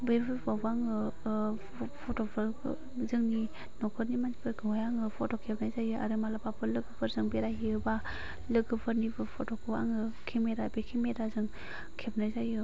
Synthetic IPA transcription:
bepʰɯpabaŋɯ | pʰɔtopʰɯɾ̰ | zɯŋni | nɔkʰɯɾnimanipʰɯɾɡɯɦɔjaŋɯpʰotɔkʰepnajzajɯʔa̰ɾɯmalapapʰɯlɯɡɯpʰɯɾzɯŋbeɾaɦiɯba | lɯɡɯpʰɯɾnibʰɯpʰɔtɔkʰɯa̰ŋɯkʰimeɾabekʰimeɾazɯŋ | kʰep̚najzajɯ

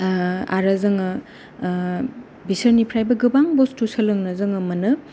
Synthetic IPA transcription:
a̰ɾɐzɯŋɐ | bisɐɾnipʰɾajbɐɡɯbaŋbostusɐlɯŋnɐzɯŋɐmɐnɯ

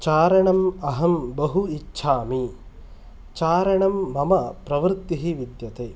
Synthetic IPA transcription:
t͡ʃaːɾɐɳɐmɐɦɐmbɐɦuitːʃʰaːmi | t͡ʃaːɾɐɳɐmːɐmɐpɾɐʋɾt̪ːiɦiʋid̪jɐt̪eː

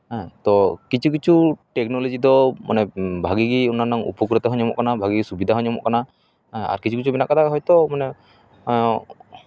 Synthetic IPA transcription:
ɦãt̪ɔkit͡ʃʰukit͡ʃʰuʈɛknolɔd͡ʒid̪ɔma̰nɛbʱaɡiɡiunanaŋṵpɔk̬ɾɔt̪aɦɔɲɔmɔ̰ʔkanabʱaɡiɡisubid̪ʱaɦɔɲɔmɔ̰ʔkana | aa̰ɾkit͡ʃʰukit͡ʃʰubinaʔkad̪aɦɔjt̪ɔmanɛ

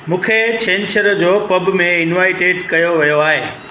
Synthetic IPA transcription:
mũːkʰet͡ɕẽːnt͡ɕəɾd͡ʑoːpɐbmẽɪnʋaːɪʈeːʈkɐjoʋɐjoaːɦeː

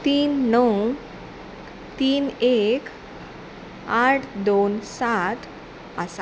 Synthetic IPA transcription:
t̪iːnːəw | t̪iːnek | aʈʰd̪onsat̪ | əsa

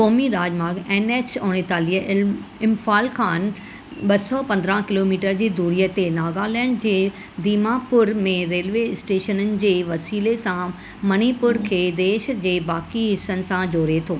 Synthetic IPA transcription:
koːmiɾaːd͡ʑmaːɡeːneːt͡ɕoːɽ̃et̪aːliəɪmfaːlkʰaːn | ɓɐsɔpɐ̃nd̪ɾãkɪloːmiːʈəɾd͡ʑiːd̪uːɾijət̪enaːɡaːlɛɽɖ̚d͡ʑeː | d̪iːmapʊɾmẽɾeːlʋeɪsʈeːʃənənɪ̆d͡ʑeːʋɐsiːlesã | mɐñipʊɾkʰeːd̪eːʃd͡ʑeːbaːkiɦɪsənɪ̆sãd͡ʑoːɾet̪ʰoː

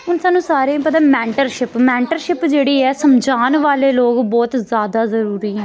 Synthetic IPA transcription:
ʊnsaːnːũːsaːɾẽːpət̪̬ãːmɛ̃ːɳʈəɾʃɪpmɛ̃ːɳʈəɾʃɪpd͡ʒeːɽiːɛːsəmd͡ʒaːnʋaːleːloːɡbɔːt̪zjaːd̪aːzəɾuːɾiːɦɛ̃ː

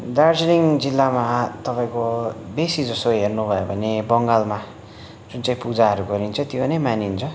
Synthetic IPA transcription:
d̪ard͡zliŋd͡zilːamat̪ʌpaĩkobesid͡zʌst̪oɦernubʱʌjobʱʌnebʌŋɡalma | d͡zunt͡saĩpud͡zaɦʌɾuɡʌɾint͡sʰʌt̪jonʌjmanint͡sʰʌ

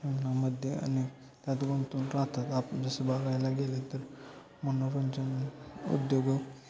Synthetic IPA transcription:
umnaməd̪ʱjea̰ni | t̪jat̪ɡont̪uːnɾaɦt̪at̪apd͡zəsebaɡajlaɡelet̪əɾ | mənoɾənd͡ʑənṵd̪joɡə

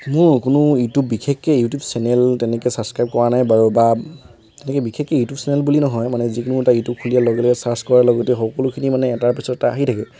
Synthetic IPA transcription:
mʊɹkʊnʊjutubːikʰekːɛjutjubsɛnɛltɛnɛkɛsabskɹajp̚kɔɹanajbaɹoba | tɛnɛkɛbikʰɛkːɛjutjupsɛnɛlbulinɔɦɔjmanɛzikʊnʊɛtajutup̚kʰulijalɔɡɛlɔɡɛsaskɔɹalɔɡɔtɛxɔkɔlʊkʰinimanɛːtaɹpɛsɔtɛtaaɦitʰakɛ

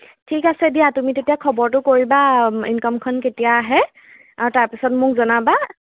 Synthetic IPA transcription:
tʰikasɛdijatumitetijakʰɔbɔɹtʊkoɹibainkɔmkʰɔnketijaːɦɛ | aɹutaɹpisɔtmʊkzɔnaba

